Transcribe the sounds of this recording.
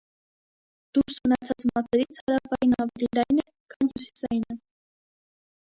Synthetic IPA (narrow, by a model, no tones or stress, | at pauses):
d̪̥uɾsmənɑt͡sʰɑt͡smɑsɛɾit͡sʰhɑɾɑfɑjinɑvɛlilɑjnɛ | kʰɑnhusi̥sɑjinə